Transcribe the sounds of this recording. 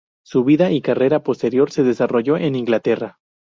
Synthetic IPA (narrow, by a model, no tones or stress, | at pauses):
suβiðaʔikare̞ɾapo̞st̪e̞ɾjo̞ɾse̞ðe̞saro̞ʝo̞ʔe̞niŋɡlat̪e̞ra